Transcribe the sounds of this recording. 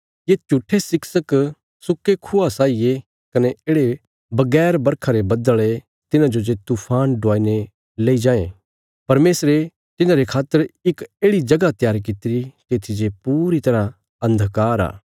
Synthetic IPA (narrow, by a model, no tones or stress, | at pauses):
jet͡ʃuʈʰːesɪksək | sʊkːekʰʊasaːije | kɐneeːɽe | bɐɡɛːɾbɐɾkʰaɾebɐd̪əɭe | t̪ɪnãd͡ʒod͡ʒet̪uːpʰaːnɖʱʊaːine | leːid͡ʒãːẽ | pɐɾmeːsɾe | t̪ɪnãɾekʰaːt̪ːəɾɪkeːɽid͡ʒɐɡat̪ɪjaːɾikɪt̪ɪɾit̪eːt̪ʰid͡ʒepuːɾit̪ɐɾã | ɐ̃nd̪ʱkaːɾa̰ː